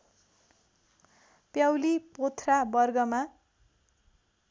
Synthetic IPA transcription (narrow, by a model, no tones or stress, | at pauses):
pjawlipot̪ʰrabʌrɡʌma